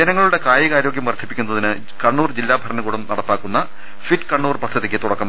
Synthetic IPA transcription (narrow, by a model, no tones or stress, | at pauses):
d͡ʑenɐŋːɐɭuɽe̞kaːjɐɣaːɾo̞ːɡjɐmʋɐrt̪ʰipːikʲːunːɐðinɨ | kɐɳːuːrd͡ʑilːaːbʱɐɾɐnɐkuːɽɐmnɐɽɐpːaːkːunːɐ | fiʈkɐɳːuːrpɐd̪ʱːɐðikʲːɨt̪uɽɐkːɐm